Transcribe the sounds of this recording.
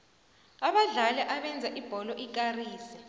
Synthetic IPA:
aɓaɮalɛʔaɓɛnd͡zʱaʔib̥ʱɔlɔʔik̬ʼariːsɛ̥

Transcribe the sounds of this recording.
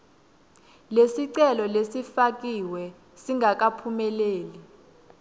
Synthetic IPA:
lesiǀɛlɔlesifak̬ʼiwɛ | siŋɡʱak̬apʰumɛleːli

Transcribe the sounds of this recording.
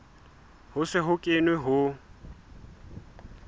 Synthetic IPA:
hʊsɪɦʊkʼɪnwɪɦʊ

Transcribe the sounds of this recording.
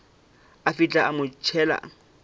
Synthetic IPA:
afɪt͡ɬʼaamʊt͡ʃʰɛːla̰

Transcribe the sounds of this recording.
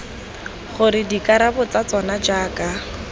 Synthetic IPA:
χʊɾɪdikaɾabʊt͡sat͡sɔnad͡ʒaːka

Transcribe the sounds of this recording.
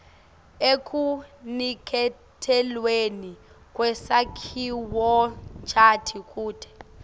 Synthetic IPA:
ekʰʼunikʰɛ | tʰɛlweni | kʼwɛsakʰiwɔt͡ʃʰʼatʰikʼuːtʰɛ̥

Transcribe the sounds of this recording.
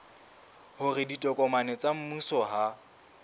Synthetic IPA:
hʊrɪditʼɔkʼɔmanɛt͡sʼam̩musɔɦa

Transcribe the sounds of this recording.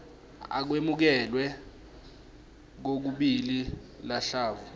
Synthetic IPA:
a̰k̬wemuk̬ɛlwɛ | k̬ok̬uɓili | laɬaːvu

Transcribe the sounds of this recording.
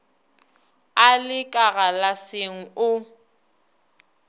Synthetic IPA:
alɪkʼaɣalaseŋ̩ʊ

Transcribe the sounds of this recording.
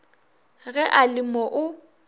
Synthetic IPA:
ɣɛʔalɪmɔʔʊ

